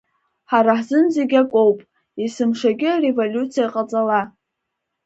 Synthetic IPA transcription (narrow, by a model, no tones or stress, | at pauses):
ħaɾaħzɨnzeɡʲakʷʼo̞wpʼ | isɨmʂaɡʲɪarevolʲut͡sʰijaqʼat͡sʼala